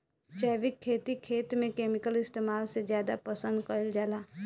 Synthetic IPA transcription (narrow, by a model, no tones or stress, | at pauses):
t͡ʃɛːʋɪkʰːeːt̪ikʰːeːt̪mẽkeːmɪkəlɪst̪eːmaːlsezjaːd̪apəsə̃nd̪kəɪld͡ʒaːlaː